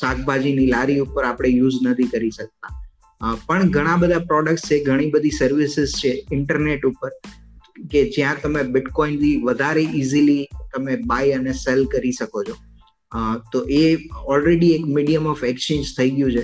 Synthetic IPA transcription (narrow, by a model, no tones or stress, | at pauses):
sak̚ʰbʱad͡ʒinilaɾiupəɾapɽ̃ejud͡ʒnət̪ʰikəɾiʃək̚t̪a | pəɳɡʱəɽ̃ãbəd̪ʱapɾɔɽək̚ʈst͡ʃʰeɡʱəɽ̃ibəd̪ʱisəɾʋɪsɪzt͡ʃʰeɪɳʈəɾneʈupəɾ | ked͡ʒjãt̪əmebɪʈkɔint̪iʋəd̪ʱaɾeʔizilit̪əmebaiəneselkəɾiʃəkot͡ʃʰo | t̪oʔeɔlɾeɽiekmiɖijəmɔfekst͡ʃẽnd͡ʒt̪ʰəiɡjũt͡ʃʰe